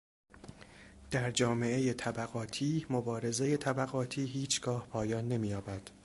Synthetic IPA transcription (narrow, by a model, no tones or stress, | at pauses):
d̪̥æɾd͡ʒɒːme̞ʔe̞je̞t̪ʰæbæɣɒːt̪ʰiːmobɒːɾe̞ze̞je̞t̪ʰæbæɣɒːt̪ʰiːɦiːt͡ʃʰɡ̥ɒːhpʰɒːjɒːnːe̞miːjɒːbæd̪̥